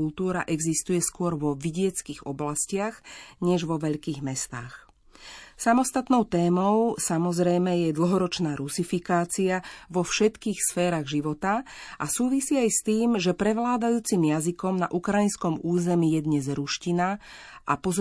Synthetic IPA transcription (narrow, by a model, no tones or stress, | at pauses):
ult̪uːɾa̰ʔɛɡzist̪ujɛskʊɔɾʋɔʋiɟɪɛt͡skiɣɔblascɪaxɲɛʒʋɔʋɛʎkiːɣmɛst̪a̰ːx | samɔst̪at̪nɔʊt̪ɛːmɔʊsamɔzɾɛjmɛjɛd̪l̩ˠɦɔɾɔt͡ʃnaːɾusifikaːt͡siaʋɔfʃɛt̪kiːxsfɛːɾaːɣʒiʋɔt̪aʔasuːʋisiːajst̪iːmʒɛpɾɛʋlaːd̪ajuːt͡simjazikɔmna̰ʔukɾajinskɔmuːzɛmiːjɛd̪ɲɛzɾuʃcinaʔa̰pɔz